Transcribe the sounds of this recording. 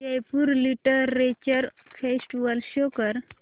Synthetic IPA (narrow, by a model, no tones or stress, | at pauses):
ajpuɾliʈəːet͡ɕəɾ | fʰesʈʋəlɕokəɾ